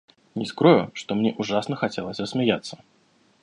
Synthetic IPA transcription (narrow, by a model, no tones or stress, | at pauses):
nʲɪskɾɔjʊʂt̪ɔmnʲɛʔuʐasnəxat͡sʲelˠəsʲɐsmʲɪjat̪sːə̥